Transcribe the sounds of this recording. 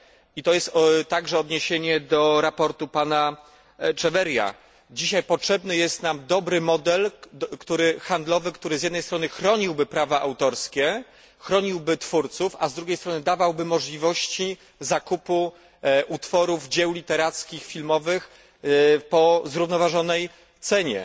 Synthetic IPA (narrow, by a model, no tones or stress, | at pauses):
it̪ɔjɛst̪t̪ːaɡʐɛɔd̪ɲeɕeɲɛd̪ɔɾapɔɾt̪upana | t͡ʂɛvɛɾja̰ | d͡ʑiɕajpɔtʂɛbnɘjɛst̪namd̪ɔbɾɘmɔd̪ɛlkt̪uɾɘxand̪lɔvɘkt̪uɾɘzjɛd̪nɛjst̪ɾɔnɘxɾɔɲiwbɘpɾavaʔawt̪ɔɾskʲɛ | xɾɔɲiwbɘt̪fuɾt̪sufazd̪ɾuɡʲejst̪ɾɔnɘd̪avawbɘmɔʐlʲivɔɕt͡ɕi | zakupu | ʔut̪fɔɾuvd͡ʑɛwlʲit̪ɛɾat̪skʲixfʲilmɔvɘx | pɔzɾuvnɔvaʐɔnɛj | t̪sɛɲɛ̰